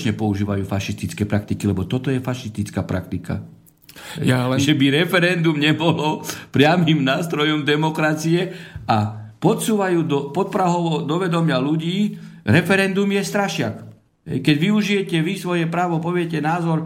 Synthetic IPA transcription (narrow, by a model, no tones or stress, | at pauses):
t͡ʃɲɛpɔuʒiːʋajuːfaʃist̪it͡skɛpɾak̚t̪ikilɛbɔt̪ɔt̪ɔjɛfaʃist̪it͡skaːpɾʔa̰k̚t̪ika̰ | ʒɛbiɾɛfɛɾɛnd̪umɲɛbɔlɔpɾɪamimnaːst̪ɾɔjɔmd̪ɛmɔkɾat͡siɛʔapɔt̪suːʋajuːd̪ɔpɔt̪̚pɾaɦɔʋɔd̪ɔʋɛd̪ɔmɪaluɟiːɾɛfɛɾɛnd̪umjɛst̪ɾaʃɪak | ɦɛ̰jkɛɟʋiuʒijɛcɛʋisʋɔjɛpɾaːʋɔpɔʋɪɛcɛnaːzɔɾ